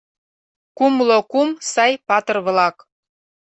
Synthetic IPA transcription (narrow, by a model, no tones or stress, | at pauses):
kumlokumsɑjpɑt̪ɤ̆rβlɑk